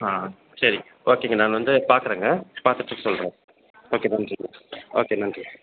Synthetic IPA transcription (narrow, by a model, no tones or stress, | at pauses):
aː | sɐɾi | oːkeːŋɡɐnaːlɐʋɐnd̪ɯpaːɾkɯɾẽːŋɡɐpaːɾt̪ɯʈːɯkːɯsɔlɾẽː | oːkeːnɐnʈiŋɐoːkeːnɐnʈi